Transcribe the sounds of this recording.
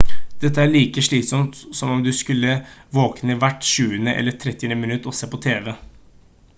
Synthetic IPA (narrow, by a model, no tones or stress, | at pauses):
d̪̥ɛt̪ːəæɭiːkəʂɭiːt̪sɔmt̪sɔmɔmd̪ʉskʉlːəʋoːknəʋæʈːʂʉːənəʔɛ̰lːəʈ̪ʰɾɛt̪ːɪnəmɪnʉt̪ːɔseːpʰɔt̪ʰeːʋɛ